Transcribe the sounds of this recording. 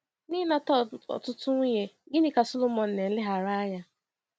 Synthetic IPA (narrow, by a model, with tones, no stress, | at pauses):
nɪ˦na˦tɔ˦˨ɔ̰˨tʊ˦tʊ˦ɲe˦ɡɪ˦nɪ˦ka˨so˦lo˦mɔ˨n̩˨ne˨n̩˦lɪ˦ɦa˨ɾa˦ɲa˦